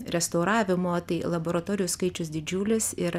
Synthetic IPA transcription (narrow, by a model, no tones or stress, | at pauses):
ɾʲɛst̪ɐʊɾɑːʋʲɪmoːt̪ɐɪlˠɐboːɾɐt̪oːɾʲɪjʊskɐɪt͡ʃʲʊsd̪ʲɪd͡ʒʲuːlʲɪsɪɾ